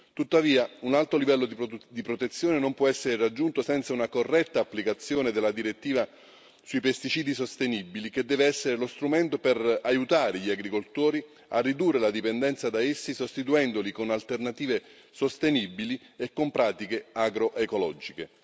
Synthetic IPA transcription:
t̪ut̪ːaviːaunalt̪ɾolivɛlːod̪d̪ipɾot̪et̪sːjoːnenompwɔɛsːeɾerad͡ʒːunt̪osɛnt̪saunakorːɛt̪ːaːpːlikat̪sːjoːned̪elːad̪iɾet̪ːiːva | suipest̪it͡ʃiːd̪isost̪enibilik̟ed̪ːɛːveɛsːeɾelost̪ɾumɛnt̪operajut̪aːɾeʎiaɡɾikolt̪oːɾi | arːid̪urːelad̪ipend̪ɛnt̪sad̪aesːisost̪it̪uɛnd̪olikonalt̪ernat̪iːve | sost̪enibiliekːompɾaːt̪ikeaɡɾoʔekolɔd͡ʒike

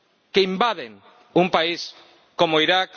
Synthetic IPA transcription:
keimbaðeŋ | umpais | komoiɾak

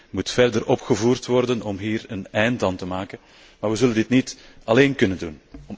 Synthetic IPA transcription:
mutfɛrdəɾɔpxəvuːrtʋɔrdənɔmɦiːɾənɛjntdɑntəmaːkən | maːrʋəzɵləndɪtnit | ɑleːnkɵnəndun

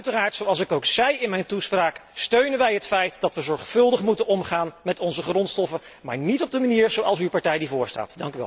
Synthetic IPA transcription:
œɥtəraːɹtsowɑlˠs̬ɪkowksɛjɪnmɛjntuspraːkstøɥnənʋɛjɦətfɛjtd̥ɑtʋəzɔɹχfɵlˠdəχmutənɔmχaːnmɛtɔnzəχrɔntstɔfən | ma̰ːɹnitɔb̚dəmaniːɹzowɑlˠsypɑɹtɛjdivʊːɹsta̰ːtdɑŋkyʋɛ̰l

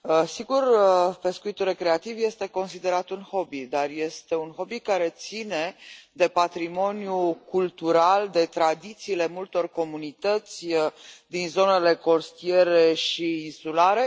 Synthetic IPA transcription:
əsiɡurpe̞skuit̪ulre̞kɾe̞at̪ivje̞st̪e̞ko̞nsid̪e̞ɾat̪unho̞bid̪arje̞st̪e̞unxo̞bikaɾe̞t̪sine̞d̪e̞pat̪ɾimo̞nijukult̪uɾald̪e̞t̪ɾad̪it̪siːle̞mult̪o̞rko̞munit̪ət̪sʲd̪inzo̞ne̞le̞ko̞st̪ie̞ɾe̞ʃiːnsulaɾe̞

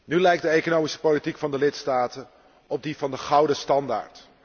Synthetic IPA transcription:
nylɛjk̚dəejkonowmisə̥politikfɑndəlɪtstaːtə | ɔb̚divɑndəχɑwdəstɑnda̰ːɹt

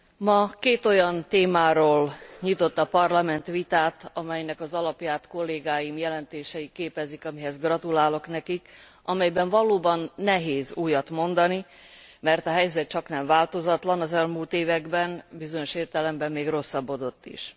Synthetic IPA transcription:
mɒkeːt̪o̞jɒnt̪eːmaːɾoːlɲit̪o̞t̪ːɒpɒrlɒmɛnt̪ʋit̪aːt̪ɒmɛjnɛkɒzɒlɒpjaːt̪ko̞lːeːɡaːjimjɛlɛnt̪eːʃɛjikeːpɛzikɒmiɦɛzɡrɒt̪ulaːlo̞knɛkik | ɒmɛjbɛɱvɒloːbɒnːɛɦeːzuːjɒt̪mo̞nd̪ɒni | mɛrt̪ɒɦɛjzɛt̪t͡ʃɒknɛɱvaːlt̪o̞zɒt̪lɒnɒzɛlmuːlt̪eːvɛɡbɛnbizo̞ɲo̞ʃeːrt̪ɛlɛmbɛmːeːɡro̞sːɒbːo̞d̪o̞t̪ːḭʃ

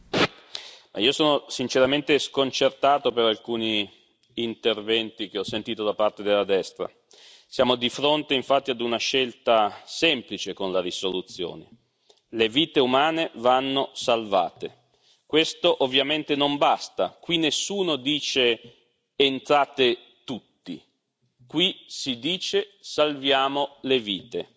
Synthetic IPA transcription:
mʔaiosoːnosint͡ʃeɾament̪eskont͡ʃert̪aːt̪opeɾalkuːniː | nt̪ervɛnt̪ik̟eɔsːent̪iːt̪od̪apart̪ed̪elːad̪ɛst̪ɾa̰ | sjaːmod̪ifɾont̪eiɱfat̪ːiad̪unaʃɛlt̪asɛmplit͡ʃekonlaɾisolut̪sːjo̰ːnḛ | leviːt̪eumaːnevanːosalva̰ːt̪e | kwest̪oʔovːjament̪enombast̪akwinesːuːnod̪iːt͡ʃeː | nt̪ɾaːt̪e | t̪ut̪ːḭ | kwisid̪iːt͡ʃesalvjaːmoleviːt̪e

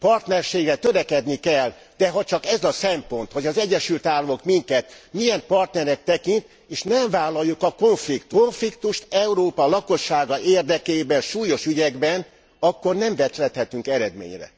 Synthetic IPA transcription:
pɒrt̪nɛrʃeːɡɛt̪øɾɛkɛd̪nikɛlː | d̪̥ɛɦɒt͡ʃɒkɛzɒsɛmpo̞nt̪ho̞ɟɒzɛɟːɛʃylt̪aːlːɒmo̞kmiŋkɛt̪mijɛmpɒrt̪nɛɾɛk̚t̪ɛkint̪ | eːʃnɛɱvaːlɒjːukɒko̞ɱflikt̪oɱflikt̪uʃt̪ɛuɾoːpɒlɒko̞ʃːaːɡɒeːrd̪ɛkeːbɛnʃuːjo̞ʃyɟɛɡbɛn | ɒkːo̞rnɛɱvɛt̪lɛt̪hɛt̪yŋkɛɾɛd̪mḛːɲrɛ̰

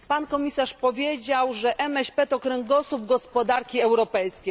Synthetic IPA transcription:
pankɔmʲisaʂpɔvʲjed͡ʑawʐɛʔɛmɛɕpɛt̪ɔkɾɛŋɡɔsubɡɔspɔd̪aɾkʲiɛwɾɔpɛjskʲej

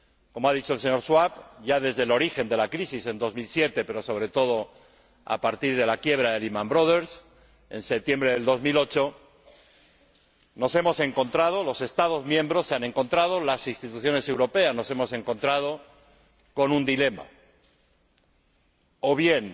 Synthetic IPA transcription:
ko̞moað̞it͡ʃo̞else̞ɲo̞ɾʃwaβʝaðe̞zðelo̞ɾixe̞nd̪e̞lakɾisise̞nd̪o̞zmilsje̞t̪e̞pe̞ɾo̞so̞β̞ɾe̞t̪o̞ð̞o̞ | a̰paɾt̪iɾð̞e̞lakje̞β̞ɾaðelimãmbɾoð̞e̞ɾs | e̞̰nsep̚t̪je̞mbɾeðe̞ld̪o̞zmilo̞t͡ʃo̞ | no̞se̞mo̞se̞ŋko̞nt̪ɾað̞o̞lo̞se̞st̪að̞o̞zmjẽmbɾosːeane̞ŋko̞nt̪ɾað̞o̞lasinst̪it̪uθjo̞ne̞se̞wɾo̞pe̞azno̞se̞mo̞se̞ŋko̞nt̪ɾað̞o̞ | ko̞nũnd̪ile̞ma̰ | oβ̞je̞n

